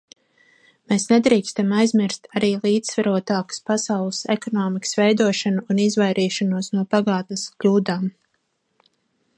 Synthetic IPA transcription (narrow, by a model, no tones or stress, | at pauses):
meːsned̪ɾiːkst̪amajzmiɾst̪ʰaɾiːlˠiːd̪zsvaɾuɔt̪aːkḁspasawlˠɨsɛ̰kɔnɔːmikə̥svɛjd̪uɔʃanuːnizvajɾʔiːʃanuɔsnuɔpaɡaːt̪nəskʎʲuːd̪aːm